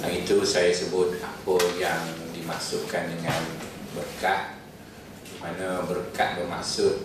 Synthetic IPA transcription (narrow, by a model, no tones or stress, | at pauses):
ʔaŋit̪usajasəbʊt̪̚apəjaŋdimasʊkandəŋanbərkat̪̚ | manə̃bərkat̪̚bərmasʊʔ